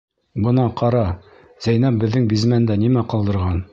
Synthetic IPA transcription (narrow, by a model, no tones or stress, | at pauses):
bɤ̆nɑqʰɑɾɑ | z̥æjnæp̚bɘ̆ðːɘŋbizmænd̪ænimæqɑlˠd̪ɤ̆ɾʁɑn